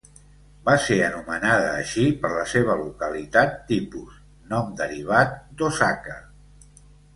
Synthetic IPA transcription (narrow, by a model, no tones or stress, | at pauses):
baseənumənaðəːʃipəɾləseβ̞əlukəlit̪at̪ːipuz | nɔmd̪əɾiβ̞at̪̚d̪osakə